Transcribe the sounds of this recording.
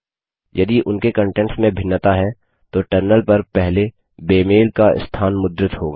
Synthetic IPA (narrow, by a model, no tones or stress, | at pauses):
jɐd̪iʔʊnkekə̃ɳʈɛ̃ɳʈsmẽbʱɪnːət̪aɦɛ | t̪oʈəɾnəlpɐɾpɛɦle | beːmeːlkaɪ̰st̪ʰaːnmʊd̪ɾɪt̪ɦo̰ːɡaː